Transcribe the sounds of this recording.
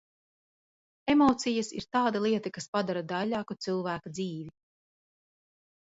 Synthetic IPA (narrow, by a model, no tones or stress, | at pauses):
emɔːt̪sijasḭɾt̪aːd̪alˠiɛt̪akaspad̪aɾad̪alʲaːkut̪sɨlˠvæːkad̪ziːvi